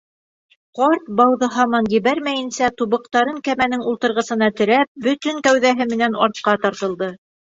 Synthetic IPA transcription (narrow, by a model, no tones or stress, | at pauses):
qɑɾt̪̚bɑwðɤɦɑmɑnjɘ̆βæɾmæjɘ̆nsæt̪uβɤ̆qt̪ɑɾɤŋkæmænɘŋulˠt̪ɤ̆ɾʁɤ̆sɤ̆nɑt̪ɘ̆ɾæp̚bɵt̪ɵŋkæwðæɦɘmɘ̆nænɑɾt̪̚qɑt̪ɑɾt̪ɤ̆lˠd̪ɤ